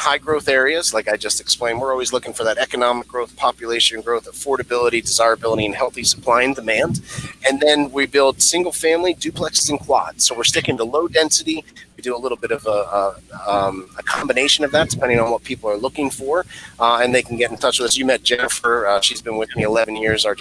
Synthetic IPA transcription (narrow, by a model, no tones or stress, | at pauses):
haɪɡɹoʊθɛɹiɨzlaɪkaɪd͡ʒʌstɨksplẽɪ̃nwəɹɔlˠwizlʊkɪ̃ŋfə˞ðɨɾɛkɨnɑmɨk̚ɡ̥ɹoʊθpʰɑpjɨleɪʃɨ̃nɡɹoʊθəfɔɹɾɨbɪlˠəɾidɨzaɪɹɨbɪlˠəɾiɨ̃nhɛlˠθisə̥pʰl̥aɪɪ̃ŋdɨmæ̃ndɨ̃nðɨ̃nwibɪlˠd̥sɪ̃ŋɡl̩ˠfæ̃mlidʉpʰl̥ɛkszɨ̃nkʰw̥ɑ̰d̥soʊwəɹstɪkɪ̃ntəloʊdɛ̃nsɨɾiwidɨəlɪɾl̩ˠbɪɾʌv | əkʰɑ̃mbɨneɪʃɨ̃nʌvðæt̚d̥ɨpʰɛ̃ndɪ̃ŋə̃nwʌt̚pʰipl̩ˠə˞lʊkɪ̃ŋfə˞ɨ̃nðeɪkn̩ɡɛɾn̩tʰʌt͡ʃʌvðɪsjɨmɛt̚d̥ʒ̥ɛnəfə˞ʃizbɨ̃nwɨθɪ̃iəlɛvɨ̃n̩jɪɹzə˞